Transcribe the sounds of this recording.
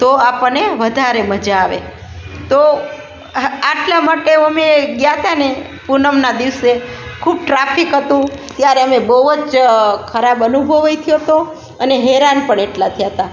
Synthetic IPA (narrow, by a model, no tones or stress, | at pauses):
t̪oapəɳneʋəd̪ʱaɾeməd͡ʒaːʋḛ | t̪o | aʈlamaʈeəmeɡjat̪ane | punəmnad̪iʋsekʰub̚ʈɾapʰikɦət̪ũt̪jaɾeəmebəd͡ʒkʰəɾabənubʱəʋajt̪ʰijot̪o | əneɦeɾanpəɳeʈlat̪ʰijaɦət̪a